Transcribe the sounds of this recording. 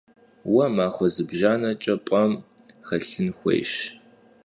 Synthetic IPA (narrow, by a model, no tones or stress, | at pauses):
wɐmaːχʷɔzɨbʒaːnɐt͡ʃʼɐpʼɐmχɐɬɨnxʷḛjʃ